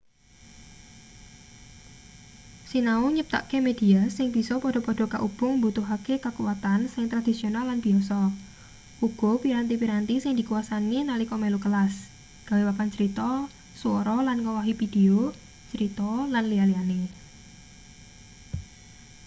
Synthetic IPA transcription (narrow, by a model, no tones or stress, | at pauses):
sinauɲəp̚t̪a̰ʔkemed̥iasɪŋb̥isɔpɔɖ̥ɔ̤pɔɖ̥ɔ̤ka̰ʔub̥ʊ̤ŋmbut̪uɦakekakuwat̪ansɪŋt̪ɾad̪̥isionalːanb̥iɔsɔ | uɡ̥ɔpiɾant̪̬ipiɾant̪isɪŋd̥i̤kuwasaninalikɔmɛlukəlas | ɡ̥a̤wewapant͡ʃəɾit̪ɔ | suoɾɔlankɔwɔɦifid̥eo | t͡ʃəɾit̪ɔlanlialiane